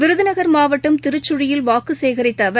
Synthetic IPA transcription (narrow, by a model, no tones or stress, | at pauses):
ʋɪɾɯðɯnɐɣɐɾmaːʋɐʈːɯmt̪ɪɾɯt͡ʃːʊɻɪjɪlʋaːkɯseːɣɐɾɪt̪ːɐʋɐ